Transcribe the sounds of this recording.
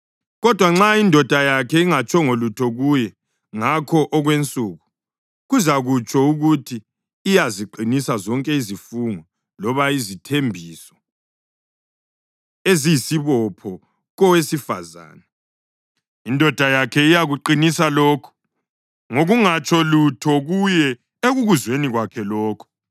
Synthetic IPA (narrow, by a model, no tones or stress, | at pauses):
ɣɔd̥ʱwaŋ͡ǁaindʱɔd̥ʱajakʰɛiŋat͡ʃʼɔŋolutʰɔɣujɛ | ŋakʰɔʔɔɣwent͡sʼuːɣu | ɣuzaɣut͡ʃʼɔuɣutʰiː | jaziǃinisazɔŋkʼɛizifuŋɔ | lɔβaizitʰembʱiːsɔ̥ | ezijisiβɔpʰɔ | ɣɔwesifa̰za̰ːna | indʱɔd̥ʱajakʰɛijaɣuǃinisalɔːkʰɔ̥ | ŋoɣuŋat͡ʃʰʼɔlutʰɔɣujɛ | eɣuɣuzweniɣwakʰɛlɔːkʰɔ̥